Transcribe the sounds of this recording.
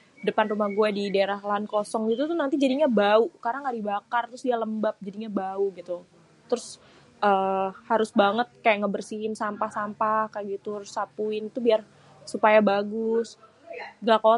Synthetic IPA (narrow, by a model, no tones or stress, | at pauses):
dəpanrumahɡuɛdidaeɾahlankosɔŋɡit̪ut̪unant̪id͡ʒadiɲabaukaɾaŋaʔdibakart̪ɾʊsdialəmbap̚d͡ʒadiɲabauɡit̪u | t̪ɾʊs | ʔəːhaɾʊsbaŋət̪̚kajaʔŋabərsiɦɪnsampahsampahkajaɡit̪ursapuɪnt̪ubiar | supajabaɡʊs | ɡako